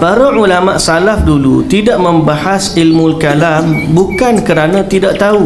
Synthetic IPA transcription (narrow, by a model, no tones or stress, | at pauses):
paɾaʔulamãʔsalafdulṵt̪idaʔmə̃mbahasilmũlkalambukankəɾanãt̪idaʔt̪au